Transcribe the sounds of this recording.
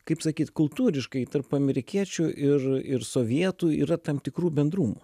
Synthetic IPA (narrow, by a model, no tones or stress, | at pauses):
kɐɪpsɐkʲiːt̪kʊlˠt̪uːɾʲɪʃkɐɪt̪ɐrpɐmʲɛɾʲɪkʲiɛt͡ʃʲʊʔɪrɪɾsoːʋʲiɛt̪uːḭːɾɐt̪ɐmt̪ʲɪkɾuːbʲɛnd̪ɾuːmu